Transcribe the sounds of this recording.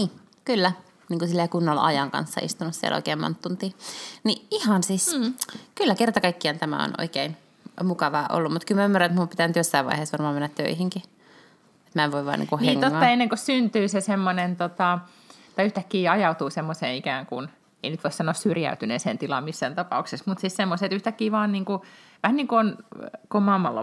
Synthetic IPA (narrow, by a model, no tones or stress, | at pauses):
niː | kylːæ | niːŋkusilːeːkunːolɑ̰jɑŋkɑ̰nsːɑ̰ḭst̪unussiḛlʔo̰ikeːmo̰nt̪ːunt̪iːniʔihɑnsiskylːækert̪ɑkɑikːihɑnt̪æmæ̰o̰no̰ikein | mukɑʋɑːʔo̰lːummut̪kylmæymːærɑnet̪mumpit̪ænyt̪josːɑiʋɑ̰iheːsʋɑrmɑːmenːæt̪t̪ø̰ihiŋki | et̪mæeʋʋoiʋɑ̰ːnḭkuhneŋt̪oːɑenːeŋkossynt̪yːsesemːonent̪ot̪ɑ | t̪ɑiyht̪ækːiːɑjɑut̪uːsemːosḛːnikæːŋkun | ḛinyt̪ʋoisɑnoːˑssyrjæ̰yt̪ynḛːsḛːnt̪ilɑ̰mmisːæːnt̪ɑpɑ̰uksesmut̪sissemːoset̪yht̪ækːiːʋɑːnniːŋkuʋæhæniːŋkuonkomɑmːɑ̰lːɑ̰